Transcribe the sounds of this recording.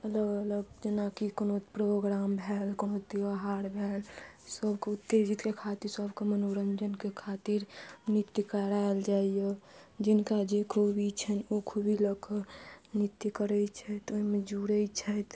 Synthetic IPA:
ələɡələbd͡ʒenakikonopɾoɡɾambʱɛlkonot̪iaɦaɽbʱɛlsəbkeut̪ːed͡ʒit̪kekʰat̪iɾsəbʱkemənoɾənd͡ʒənkekʰat̪iɾnit̪jəkəɾaeld͡ʒaːijed͡ʒɪnkad͡ʒekʰubʱit͡ʃʰɛnokʰubʱiləkʰənit̪jəkəɾɛt͡ʃʰɛt̪oimẽd͡ʒuɾət͡ʃʰɛt̪

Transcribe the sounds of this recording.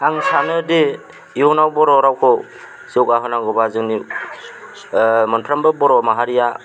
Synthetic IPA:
aŋsanɯde | iɔnawbɔɾɔɾawkʰɔ | siɔkaɦɯnaɡɔbazɯŋni | mɯnpʰɾambɯbɔɾɔmaɦaɾija

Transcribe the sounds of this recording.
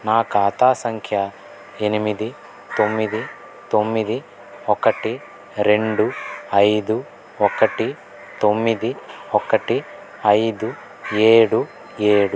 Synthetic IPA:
naːkɐːt̪aːsɐŋkʰjɐ | enimid̪i | t̪omːid̪i | t̪omːid̪i | ɔkːɐʈi | ɾe̞ɳɖuɐjd̪u | ɔkɐʈi | t̪omːid̪iɔkːɐʈi | ɐjd̪u | eːɽu | eːɽu

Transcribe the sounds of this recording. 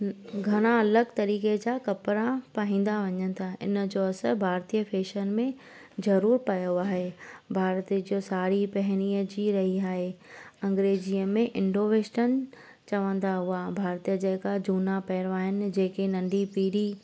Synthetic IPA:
ɡʱɐɽ̃ãɐləɡt̪ɐɾiːked͡ʑakɐpɾapaɦĩːn̆d̪aʋɐɲənɪ̆t̪ʰaɪ̰nəd͡ʑoɐsəbʱaːɾt̪ijəfʰeːʃənmẽ | zɐɾuːɾpɐjoaːɦebʱaːɾt̪d͡ʑosaːɾipɛɦɪñiːəd͡ʑiːɾɐɦiaːɦeɐ̃ŋɡɾeːd͡ʑiəmẽʔɪ̃ɳɖoːʋeːʃʈən | t͡ɕɐʋə̃nd̪aɦʊabʱaːɾt̪ijəd͡ʑɛːkad͡ʑuːnapɛːɾʋaːɦɪnɪ̆d͡ʑeːkenɐ̃nɖipiːɾi

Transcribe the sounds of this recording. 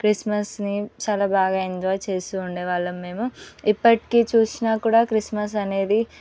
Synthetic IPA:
kɾismɐsnit͡ʃaːlaːbaːɡaːind͡ʒ̪ʋaːt͡ʃe̞ːst̪uːɳɖeːʋaːɭːɐmːe̞ːmuipːɐʈi̥keːt͡ʃuːsinaːkuːɽaːkɾismɐs̬ɐne̞ːd̪i

